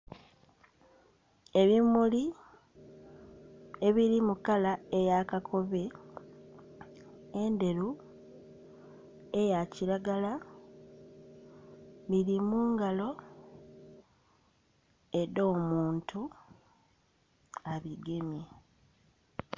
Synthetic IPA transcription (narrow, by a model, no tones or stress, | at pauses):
e̞βimuli | e̞βiɾimukalaejakakʰo̞βe̞ | ende̞ɾu | ejaciɾaɡala | βiɾimuːŋɡalo̞ | edo̞ːmuːntʰu | aβiɡe̞mje